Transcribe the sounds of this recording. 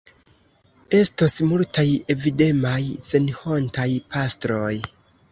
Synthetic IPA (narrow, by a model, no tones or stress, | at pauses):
e̞stosmultʰaje̞vide̞majse̞nho̞ntajpʰastɾo̞j